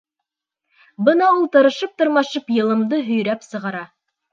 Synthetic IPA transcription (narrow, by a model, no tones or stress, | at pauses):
bɤnɑulˠt̪ɤ̆ɾɤ̆ʃɤp̚t̪ɤ̆ɾmɑʃɤpjɤ̆lˠɤ̆md̪ɤɦɵ̆jɾæpsɤ̆ʁɑɾɑ